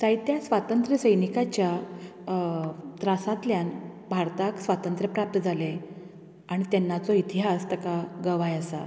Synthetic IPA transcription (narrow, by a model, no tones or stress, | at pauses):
sajt̪jasʋat̪ənt̪ɾəsəjnikat͡ɕja | t̪ɾasãt̪ljanbʱaɾt̪aksʋat̪ənt̪ɾəpɾap̚t̪əd͡zʱale | aɽ̃it̪ɛnːat͡sɔit̪iɦast̪əkaɡəʋajəsa̰